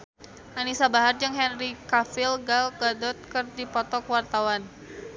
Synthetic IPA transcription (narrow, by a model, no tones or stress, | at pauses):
ʔanisabaɦard͡ʒəŋɦɛnrikafilɡalɡadɔt̪̚kɨrdipɔt̪ɔkwart̪awan